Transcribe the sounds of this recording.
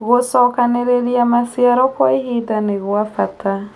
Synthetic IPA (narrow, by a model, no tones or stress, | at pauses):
ɣosɔkaneɾeɾiamasiaɾɔkwaiɦidaneɣwafatʰa